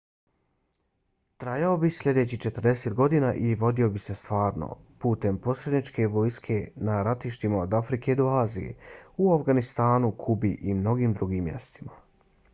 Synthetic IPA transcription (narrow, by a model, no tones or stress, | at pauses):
t̪ɾajao̞bislʎʲe̞d̪e̞t͡ɕit͡ʃe̞t̪ər̩d̪e̞se̞t̪ɡo̞d̪inaʔiʋo̞d̪io̞bise̞st̪ʋaːɾno̰ | puːt̪e̞mpo̞sɾe̞d̪nit͡ʃke̞ʋo̞jskʰe̞naɾat̪iʃt̪imaod̪afɾikʰe̞d̪oaːzḭje̞̰uafɡanist̪aːnukʰubiʔimno̞ɡiːmd̪ɾuɡiːmːje̞̰st̪ima